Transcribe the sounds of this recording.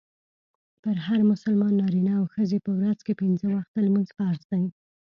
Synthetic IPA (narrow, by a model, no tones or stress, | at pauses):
pəɾɦaɾmʊsəlmɑnːɑɾinaːwxəzepəwɾazkepɪnzəwaxt̪̚almanzpəaɾst̪awi